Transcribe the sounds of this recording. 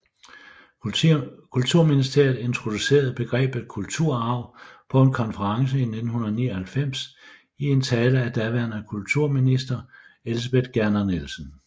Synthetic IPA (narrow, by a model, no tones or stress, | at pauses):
kʰult͡sʰuɐ̰minisd̥e̝ɐ̰ð̩ˠe̝nt͡sʰʁo̝d̥use̝̰ːɐð̞̩ˠb̥e̝ɡ̥ʁɛ̰ːb̥e̥kʰult͡sʰuɐ̰ɑ̈ʊ̰pʰɒ̽e̝nkʰɒ̽nfəʁɑ̈ŋs̬əined̥n̩hunɐðˠniːɒhælfem̰s | ie̝nt͡sʰɛːləæd̥æʋæɐnækʰult͡sʰuɐ̰minisd̥ɐelis̬ɐb̥ed̥ɡ̥æɐnɐnelsən̩